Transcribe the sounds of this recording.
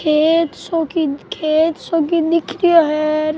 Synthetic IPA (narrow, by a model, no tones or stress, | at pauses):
kʰet̪sokikʰeːt̪sokid̪ɪkʰɾijoɦɛɾ